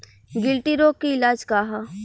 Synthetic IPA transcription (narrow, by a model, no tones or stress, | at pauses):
ɡɪlʈiɾoːkːiɪlaːd͡ʒkaɦa